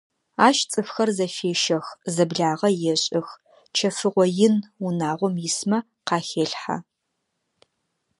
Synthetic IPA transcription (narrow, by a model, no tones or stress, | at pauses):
aːʃt͡sʼɨfxɐrzɐfeːʃɐxzɐbɮaːʁɐjɛɕʼɪx | t͡ʃʰɐfɨʁʷɔjɪnunaːʁʷɔmjɪsmɐ | qɑːxeːɬħa̰